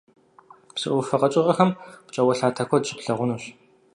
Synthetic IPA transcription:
psɨ̰ʔʷʊfɐqɐt͡ʃʼɪʁɐxɐmʷʊ̥t͡ʃʼɐwɐɬaːtʰɐkʷɔdʒɪpɬɐʁʷʊnuːɕ

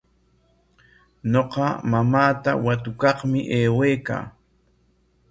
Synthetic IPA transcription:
ɲoqɑmamaːt̪a̰wat̪ʊkɑqmɪʔeːwejka̰ː

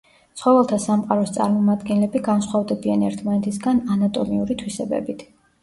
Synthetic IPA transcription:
sχɔvɛlˠt̪ʰasamqʼaɾɔst̪sʼa̰ɾmɔmad̪ɡɛnlɛbiɡansχwavd̪ɛbianɛɾt̪ʰmanɛt̪ʰis̬ɡananat̪ʼɔmiuɾit̪ʰwisɛbɛ̰bit̪ʰ

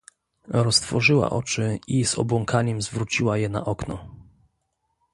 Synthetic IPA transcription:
ɾɔst̪fɔʐɘwa̰ʔɔt͡ʂɘizɔ̰bwɔŋkʰaɲɛmzvɾut͡ɕiwajɛna̰ʔɔknɔ

